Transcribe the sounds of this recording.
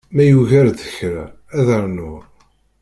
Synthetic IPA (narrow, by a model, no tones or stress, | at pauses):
mæjuʝæɾðəçɾa̰ | æðəɾnʊ